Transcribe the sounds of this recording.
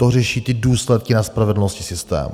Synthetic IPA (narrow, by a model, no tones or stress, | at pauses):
t̪orɛʃiːt̪ɪduːslɛt̪̚kɪnaspɾavɛdl̩noscɪsɪst̪ɛ̰ːm